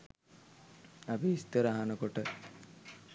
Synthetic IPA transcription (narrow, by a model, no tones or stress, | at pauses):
apiːst̪əɾaɦanəkoʈə